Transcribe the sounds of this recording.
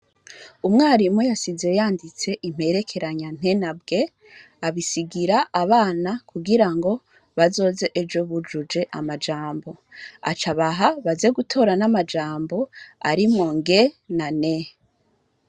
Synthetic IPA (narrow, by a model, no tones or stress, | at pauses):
umŋaːɾimujasize̞jaːndit͡se̞ʔim̥he̞ɾekʰe̞ɾaɲan̥e̞nabɡe̞ | aβisiɡiɾaʔːβaːnakuɡiɾaŋɡo̞ | βazo̞ːze̞ʔed͡ʒo̞βud͡ʒud͡ʒe̞ʔa̰mad͡ʒaːmbo̞ | a̰t͡ʃaβaɦaβazeɡutʰo̞ɾanamad͡ʒaːmbo̞aɾimŋo̞ŋɡe̞nane